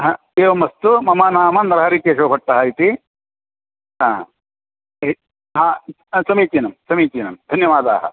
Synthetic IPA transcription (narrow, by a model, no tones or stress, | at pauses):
ɦãː | eːʋɐmɐst̪umɐmaːnaːmɐnɐɾɦaɾikjɐʃɐːpɐʈ̚ːɐɦɐit̪i | ɦãː | ɦaː | sɐmiːt͡ʃiːnɐmsɐmiːt͡ʃiːnɐmd̪ʱɐnjɐʋaːd̪a̰ːɦɐ̰